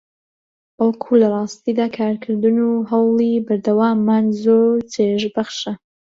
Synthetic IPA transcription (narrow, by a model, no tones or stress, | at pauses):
b̥ɑlˠkʰulɐrˤɑːst̪iːd̪aːkʰaːɾkʰɨɾd̪ɨnuːɦɐwlˠibɐɾd̪ɐwaːmːaːnzoɾt͡sʰeʒbɐχʃa